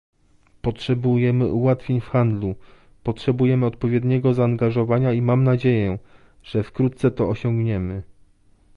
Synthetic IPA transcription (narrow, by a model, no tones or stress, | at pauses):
pɔtʂɛbujɛmɘ̰ʔuwat̪fʲjeɲfxand̪lu | pɔtʂɛbujɛmɘɔt̪̚pɔvʲjɛd̪ɲɛɡɔzaːŋɡaʐɔvaɲaimamnad͡ʑejɛ | ʐ̥ɛfkɾut̪̚sɛt̪ɔɔɕɔ̃ŋɡɲɛmɘ